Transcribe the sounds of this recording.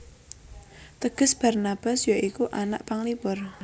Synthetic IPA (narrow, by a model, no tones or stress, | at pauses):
t̪əɡ̥ə̤sb̥a̤rnab̥a̤sjoʔikuʔana̰ʔpaŋlipʊr